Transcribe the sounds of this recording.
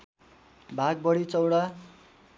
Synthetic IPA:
bʱaɡ̚bʌɽit͡sʌwɽa

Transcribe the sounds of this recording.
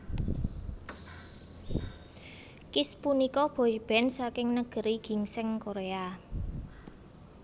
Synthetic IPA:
kɪspunikɔb̥o̤ib̥ɛ̤nsakɪŋnəɡ̥ə̤ɾiɡ̥i̤ŋsɪŋkoɾea

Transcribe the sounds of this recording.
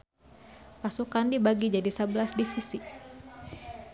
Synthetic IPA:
pasukandibaɡid͡ʒadisəbəlasdifisi

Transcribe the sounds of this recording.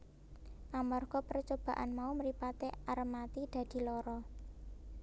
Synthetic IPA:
ʔamɔrɡ̥ɔpərt͡ʃob̥a̤ʔa̰nmauməɾipat̪earmat̪id̪̥ä̤d̪̥i̤lɔɾɔ

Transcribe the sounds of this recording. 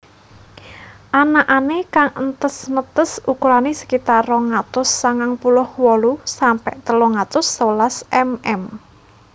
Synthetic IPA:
ʔanaʔanekaŋənt̪əsnət̪əsukuɾanesə̥kit̪arɔŋat̪ʊsːaŋaŋpulʊhwɔlusampɛʔt̪əlɔŋat̪ʊsːəwlasʔɛmɛm

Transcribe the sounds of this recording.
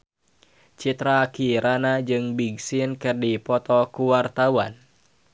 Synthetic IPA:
t͡ʃit̪ɾakiɾanad͡ʒɨŋbiɡsinkɨrdipɔt̪ɔkuwart̪awan

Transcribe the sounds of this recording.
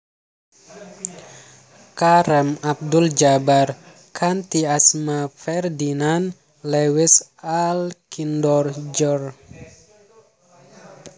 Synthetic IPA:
kaɾɛmap̚duld͡ʒabar | kʰant̪iasmafɛrdinan | lewisalkindɔrd͡ʒɔr

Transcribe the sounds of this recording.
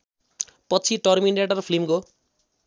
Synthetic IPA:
pʌt͡sʰiʈʌrminɖeʈaɾʌpʰlimko

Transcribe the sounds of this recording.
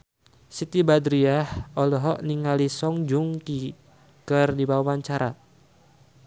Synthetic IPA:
sit̪ibadɾiahɔlɔɦɔʔniŋalisɔŋd͡ʒuŋki | kɨrdibawawaɲt͡ʃaɾa

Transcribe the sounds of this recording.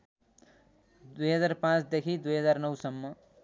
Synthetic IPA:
d̪ujɦʌd͡zarpãt͡sd̪ekʰid̪ujɦʌd͡zarnʌwsʌmːʌ

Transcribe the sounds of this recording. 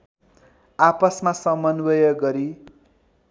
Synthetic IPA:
apʌsmasʌmʌnwʌjʌɡʌɾi

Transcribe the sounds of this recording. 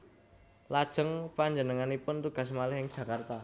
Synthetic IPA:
lad̥ʒ̥ə̤ŋpaɲd͡ʒənəŋanipʊnt̪uɡ̥a̤s̬malɪhɪŋ̥ʒ̥ä̤kart̪a

